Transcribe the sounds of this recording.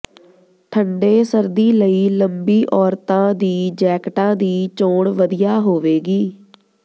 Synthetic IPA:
ʈʰəɳɖeːsəɾd̪iːləiːləmbiːʔɔːɾt̪ãːd̪iːd͡ʒɛːkʈãːd̪iːt͡ʃoːɽʋəd̪ɪjaːɦoːʋeːɡiː

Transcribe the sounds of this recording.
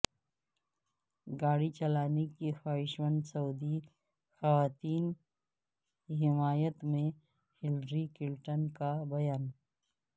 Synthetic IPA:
ɡaːɽit͡ʃɐlaːnekexaːɦɪʃmə̃nd̪sɐuːd̪i | xɐʋaːt̪iːn | ɦɪmaːjət̪mẽ | hɪlɾikɪlʈənkabɐjaːn

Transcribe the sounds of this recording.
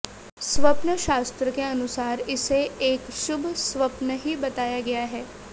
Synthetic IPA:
sʋɐpnəʃaːst̪ɾəkeɐnʊsaːɾɪseeːkʃʊbʱsʋɐpnəɦibɐt̪aːjaɡɐjaɦɛː

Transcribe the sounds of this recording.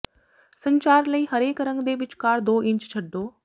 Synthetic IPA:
sə̃ɲt͡ʃaːɾləiːɦɐɾeːkɾə̃ŋɡd̪eːʋɪt͡ʃkaːɾd̪oːʔɪ̃ɲt͡ʃt͡ʃʰɐɖːoː

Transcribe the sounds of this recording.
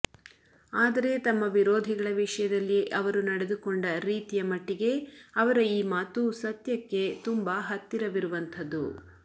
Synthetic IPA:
aːd̪ɐɾe̞t̪ɐmːɐʋiɾoːd̪ʱiɡɐɭɐʋiʂɐjɐd̪ɐlːiʔɐʋɐɾunɐɽe̞d̪ukoɳɖɐɾiːt̪ijɐmɐʈːiɡe̞ɐʋɐɾɐiːmaːt̪usɐt̪jɐkːe̞t̪umbaɦɐt̪ːiɾɐʋiɾuʋɐnt̪ʰɐd̪ːṵ

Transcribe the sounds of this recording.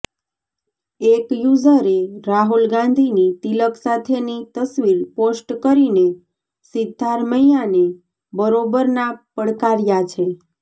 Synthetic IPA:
ekjud͡ʒəɾeɾaɦulɡãnd̪ʱinit̪iləksat̪ʰenit̪əsʋiɾposʈkəɾine | sid̪ʱːaɾməjjane | bəɾobəɾnapəɽkaɾjat͡ʃʰe

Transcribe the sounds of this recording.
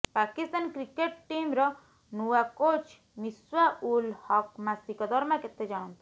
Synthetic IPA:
pakist̪ankɾikeʈʈimɾɔ | nuwakot͡ʃ | miswaʔulhɔkmasikɔd̪ʱɔɾmaket̪ːed͡ʒaɽ̃ɔnt̪ʰi̥

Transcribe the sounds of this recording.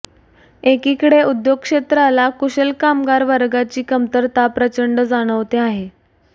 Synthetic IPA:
ekiːkəɽeud̪joɡ̚kʂet̪ɾalakuɕəlkamɡaɾʋəɾɡat͡ɕiːkəmt̪əɾt̪apɾət͡ɕəɳɖəd͡zaɽ̃əʋt̪eaɦe

